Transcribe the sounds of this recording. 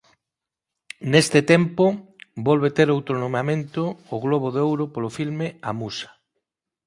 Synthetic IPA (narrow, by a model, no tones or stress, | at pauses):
nest̪ɪt̪empobɔlβet̪eɾowt̪ɾonomeamẽnt̪ʊːɣloβ̞oðeowɾopolofilmɪamusḁ